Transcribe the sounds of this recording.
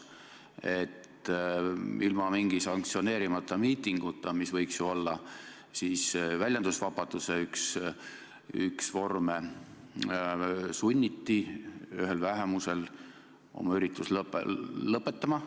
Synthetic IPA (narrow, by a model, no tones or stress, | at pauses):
e̞t̪ | ʔilmɑmiŋɡ̥isɑŋk̚t̪sio̞ne̞ːɾimɑt̪ˑːɑmiːt̪ːˑiŋɡ̥ut̪ːˑɑmisvɤ̞jksjuo̞lːɑ | siːsvælʲjɑnd̪usvɑbɑd̪̥useyks | y̰ksvo̞rme | sunʲːit̪ːiyɦe̞lvæɦe̞muse̞l | ʔo̞̰mɑyɾit̪ːˑuslplɤpːˑe̞t̪ːˑɑmɑ